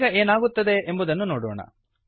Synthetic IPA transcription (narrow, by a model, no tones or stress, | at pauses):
ɡɐeːnaːɡut̪ːɐd̪eʔembud̪ɐnːunoːɽoːɳɐ̰